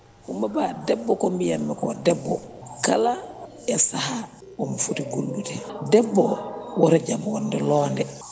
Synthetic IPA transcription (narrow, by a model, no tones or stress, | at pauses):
kumbabadɛbːokombijamːɛkodɛbːokala | esaɦa | womufutiɡulːutedɛbːowɔɾaɟabwɔndɛloːndɛ